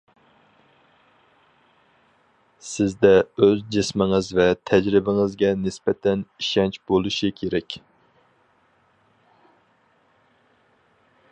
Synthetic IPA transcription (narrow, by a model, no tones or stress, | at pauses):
sɪzd̪ɛøzd͡ʒɪsmɪŋɨzvɛt̪ʰɛd͡ʒɾɪbɪŋɨzɡʲɛnɪspɛt̪ʰɛniʃɛnt͡ʃbolˠuʃikʲʰeɾɛkʲ